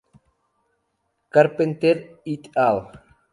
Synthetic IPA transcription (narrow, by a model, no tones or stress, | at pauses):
karpent̪eɾit̪alˠ